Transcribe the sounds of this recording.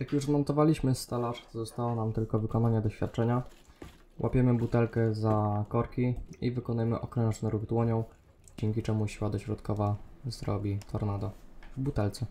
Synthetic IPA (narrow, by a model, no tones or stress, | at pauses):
jakjuʐzmɔnt̪ɔvalʲiɕmɘst̪alaʂt̪ɔzɔst̪awɔnamt̪ɘlkɔvɘkɔnaɲɛd̪ɔɕfʲja̰t̪̚t͡ʂɛɲa | wʔa̰pʲɛmɘbut̪ɛlkɛzakɔɾkʲiivɘkɔnujɛmɘʔɔkɾɛ̃ʐnɛɾuɣd̪wɔɲɔ̃w̃ | d͡ʑɛŋʲkʲit͡ʂɛmuɕiwad̪ɔɕɾɔt̪kɔvazɾɔ̰bʲit̪ʰɔɾnad̪avbut̪ɛlt̪sɛ